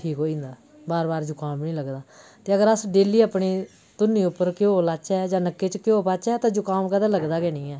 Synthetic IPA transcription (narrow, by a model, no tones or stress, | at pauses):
ʈʰiːkoːĩːnd̪aː | baːɾbaːɾd͡ʒʊkaːmnĩːləɡd̪aːt̪eːəɡəɾəsɖeːliːaːpɳiː | t̪ʊnːiːʊpːəɾkjõːlaːt͡ʃɛːd͡ʒãːnəkːeːt͡ʃkjõːpaːt͡ʃɛːt̪ãːd͡ʒʊkaːmkəd̪ãːləɡd̪aːɡeːnĩːɛː